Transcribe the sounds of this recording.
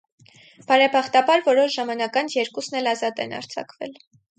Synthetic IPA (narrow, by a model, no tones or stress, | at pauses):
b̥ɑɾɛpʰɑχt̪ɑbɑɾvɔɾɔʃʒɑmɑnɑkɑnʰjɛɾkusnɛlɑzɑt̪ɛ̰nɑ̰ɾt͡sʰɑ̰kvɛ̰l